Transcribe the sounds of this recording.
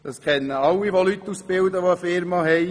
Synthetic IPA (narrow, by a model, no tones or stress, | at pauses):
d̥ɑskʰɛnːəɑlːiʋolyt̪ːuːsb̥ɪldəʋoəfɪɾmɑɦɛɪ